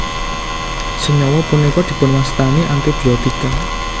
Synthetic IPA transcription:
səɲɔwɔpunekɔd̪̥i̤pʊ̤nwast̪aniʔaŋk̪ed̪̥i̤ɔd̪̥ika

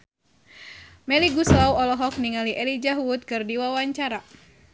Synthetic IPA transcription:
mɛliɡuslawɔlɔɦɔk̚niŋaliʔɛlid͡ʒaɦut̪̚kɨrdiwawaɲt͡ʃaɾa

